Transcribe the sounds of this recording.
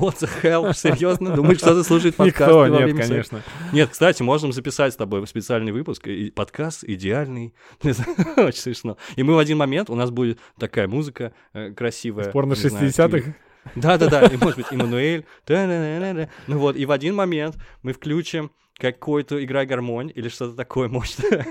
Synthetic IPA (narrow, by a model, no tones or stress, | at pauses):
mot̪səxɛlˠsʲɪɾʲjo̞znəd̪uməjʂt̪ot̪əslˠuʂ̬əjɪt̪pɐnɪkasovvet̪emʲɪɐnʲeʂnənʲe̞t̪̚kst̪atʲɪmo̞ʐnəmzəpʲɪsatʲst̪ɐbo̞jspʲɪt̪sɨalʲnɨjvɨpʊskɪpɐt̪kʰast̪ɪdʲɪalʲnɨj̪ | ot͡ɕɪnʲsmʲɪʂno̞imɨvɐdʲinmɐmʲe̞nt̪ʊnasbudʲɪt̪ | t̪ːɐkajəmuzɨkə | kɾɐsʲivəjsəpornəʂʲɨsnaɪdʲɪsʲat̪ɨx | d̪ad̪ad̪aimoʐɨd̪bɨtʲɪmənʊelʲ | d̪̥ad̪ad̪d̪ad̪anuvo̞t̪ivɐdʲinmɐmʲe̞nt̪mɨfklʲut͡ɕɪm | kɐkːo̞jt̪əɪɡɾajɡɐrmo̞nʲilʲɪʂt̪o̞t̪ət̪ɐkʰo̞jəmoʐɪ̥t̪